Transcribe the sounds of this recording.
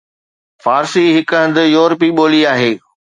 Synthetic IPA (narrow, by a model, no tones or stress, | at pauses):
faːɾsiɦɪkəə̃nd̪ɪjoːɾpiɓoːliaːɦeː